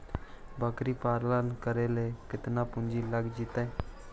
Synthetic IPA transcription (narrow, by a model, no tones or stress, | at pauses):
bʱəkɾiːpaːɾlankəɾeleːkɪt̪naːpʊɲd͡ʒiːləɡd͡ʒit̪e